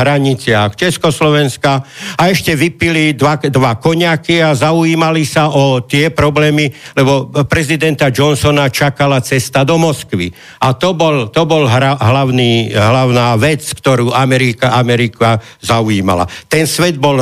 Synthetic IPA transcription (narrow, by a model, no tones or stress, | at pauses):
ɦɾaɲit͡sɪaxt͡ʃɛskɔslɔʋɛnskaaɛʃcɛʋipilid̪ʋad̪ʋakɔɲakiazauiːmalisaʔɔt̪ɪɛpɾɔblɛːmilɛbɔpɾɛzid̪ɛnt̪ad͡ʒɔnsɔnat͡ʃakalat͡sɛst̪ad̪ɔmɔskʋḭ | at̪ɔbɔlt̪ɔbɔlɦaɦlaʊniːɦlaʊnaːʋɛt͡skt̪ɔɾuːʔamɛɾikaamɛɾika | zauiːma̰la̰t̪ɛnsʋɛd̪̚bɔl